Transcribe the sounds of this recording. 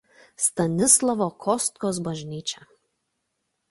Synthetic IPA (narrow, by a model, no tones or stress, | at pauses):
st̪ɐnʲɪslˠɐʋoːkʰɔst̪koːsbɐʒʲnʲiːt͡ʃʲɛ